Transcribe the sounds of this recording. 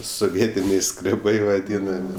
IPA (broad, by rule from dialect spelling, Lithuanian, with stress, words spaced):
soːˈʋʲiɛtʲɪnʲɛɪ skrʲɛˈbɐɪ ʋɐˈdʲiːnɐmʲɪ